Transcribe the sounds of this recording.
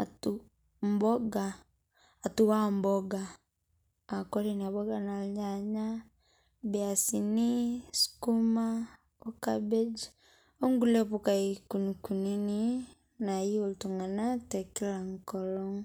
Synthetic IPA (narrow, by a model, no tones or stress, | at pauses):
atu | mbɔɡaː | tuwambɔɡaː | kɔɾinaβɔɡanalɲaɲa | bɛasinisu̥kuma | ɔkabed͡ʒi | ɔŋɡulɛpukaikunikunini | naioltuŋanatɛkilaŋkɔlɔŋ